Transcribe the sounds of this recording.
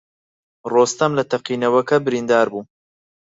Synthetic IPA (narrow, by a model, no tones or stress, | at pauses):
roːst̪ɐmlɐt̪ʰɐqiːnɐwɐkɐbɨɾiːnd̪aːɾbuː